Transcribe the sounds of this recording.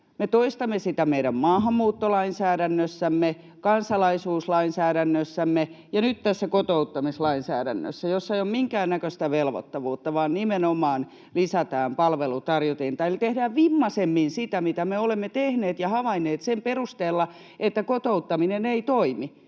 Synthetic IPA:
met̪oist̪ɑmːesit̪æmeiɾæmmɑːhɑmːuːt̪ːolɑinsæːɾænːøsːæmːe | kɑnsɑlɑisuːslɑinsæːɾænːøsːæmːe | jɑnyt̪t̪æsːækot̪out̪ːɑmislɑinsæ̰ːɾæ̰nːø̰sːæjosːɑeiommiŋkæːnːækøst̪æʋelʋo̰t̪ːɑʋuːt̪ːɑʋɑːnnimenomˑɑːn | lisæt̪æːmpɑlʋelut̪ɑrjot̪eːnt̪ɑelt̪ehdæʋʋimːɑsemːinsit̪æmit̪æmeolemːet̪ehneːt̪jɑhɑʋɑinːˑeːt̪semperust̪eːlːɑ | et̪ːækot̪out̪ːɑmineneit̪oimi

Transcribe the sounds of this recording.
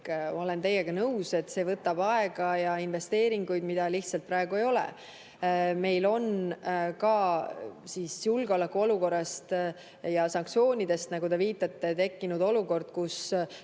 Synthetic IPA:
o̞le̞nt̪e̞jːeɡ̥ɑnɤwse̞t̪ːse̞ːvɤt̪ːˑɑb̥ɑe̞ɡ̥ɑjɑinve̞st̪e̞ːɾiŋɡujd̪mid̪̥ɑliht̪sɑlt̪̚pɾɑe̞ɡ̥ue̞jo̞lɛ̰ | me̞jlo̞nkɑ | siːsjulɡ̥eo̞lɛkːuo̞luko̞rːɑst̪ | jɑsɑŋkt̪sio̞ːnʲid̪̥e̞st̪nɑɡud̪e̞viːt̪ːˑɑt̪ːe̞t̪e̞kːinud̪o̞luko̞rd̪̥kus

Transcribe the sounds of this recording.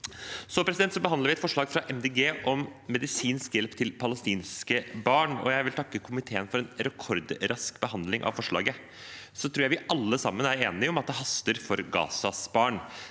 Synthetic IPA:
sɔpʰɾɛsɪd̪ɛnt̪sɔbəɦɑnəɾʋɪɛt̪fɔʂɭɑːɡfɾɑʔɛmd̪eːɡeːʔɔmːɛd̪ɪsiːnskjɛlpt̪ʰɪlpʰɑləst̪iːnskəbɑːɳɔ̰jæɪʋɪlt̪ʰɑkːəkʰʊmɪt̪ʰeːənfɔɾɛnɾɛkʰɔɾd̪ɾɑskbəɦɑnd̪lɪŋʔɑ̰ʋfɔʂɭɑ̰ːɡə | sɔt̪ʰɾuːɾjæɪʋɪʔɑlːəsɑmːənæɾeːnɪɔmɑt̪̚d̪ɛɦɑst̪əɾfɔɾɡɑ̰ːsɑsbɑːɳ

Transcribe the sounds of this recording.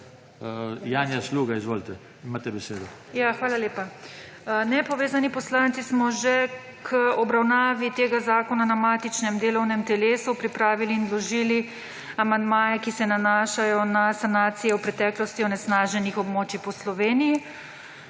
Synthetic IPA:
jaːnjasluːɡaizʋoːlt̪ɛ | imaːt̪ɛbɛseːd̪ɔ | jaxʋaːlaleːpa | nɛpɔʋeːzanipɔslaːnt̪sismɔʒɛ | kʰəɔbɾawnaːʋit̪eːɡazaːkɔnanamaːt̪it͡ʃnɛmd̪eːlɔwnɛmt̪ɛleːsupɾipɾaːʋiliːnlɔʒiːli | amand̪maːjɛkisɛnanaːʃajɔnasanaːt̪sijɛwpɾɛt̪ɛːklɔst̪iɔnɛsnaːʒɛnixɔbmoːt͡ʃipɔslɔʋeːniji

